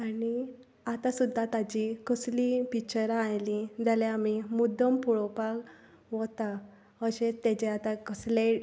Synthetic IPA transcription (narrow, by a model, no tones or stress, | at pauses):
ani | at̪asud̪ʱːat̪ad͡ʑikəslipikt͡ɕəɾajlĩd͡zaljaamimud̪ʱəmpuɭɔpaɡ | ʋɔt̪a | əɕẽt̪ɛt͡ɕeat̪akəsle